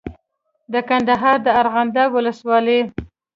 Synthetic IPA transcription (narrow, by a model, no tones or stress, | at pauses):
d̪əkand̪aɦɑɾd̪əaɾɣand̪awʊləswɑle